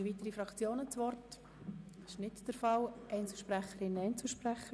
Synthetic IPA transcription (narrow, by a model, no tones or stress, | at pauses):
viːtəɾifɾɑkt͡sjoːnət͡svɔrt | ɪ̥ʃnɪtd̥əɾfɑlʔɛɪnt͡sl̩ʃpɾæχəɾɪnəɛɪnt͡sl̩ʃpræχə